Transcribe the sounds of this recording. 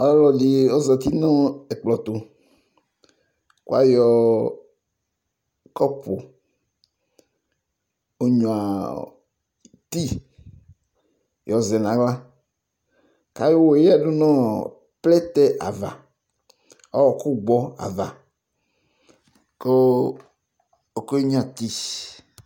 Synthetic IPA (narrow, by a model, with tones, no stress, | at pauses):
ɔ˦llɔ˨di˨ɔ˦zɔ˨t̪i˦nɔ̃˦ɛ˨k͡plɔ˨t̪o˨ | kṵ˦a̰˦jɔ˨ | kɔ˦po̰˨ | o˦ɲɔ̃˨a˨ | t̪i˦ | jɔ˨zɛ˨nã˨ɡ͡bla˦ | ka˦je˦wo˦e˨˦ja˨ɖu˦nɔ̃˦ | plɛ˦t̪ɛ˦ʔa̰˨va̰˨ | ɔ˦wɔ˨ku˦ɡ͡bɔ˦a̰˨va˨ | ko˦ | o˨ko˦i˦ɲ˦ã˦˨t̪i˦